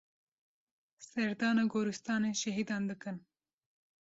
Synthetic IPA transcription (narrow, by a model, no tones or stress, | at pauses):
sɐɾd̪ɑːnaɡoːɾust̪ɑːneʃɐɦid̪ɑːnd̪ɨkɨn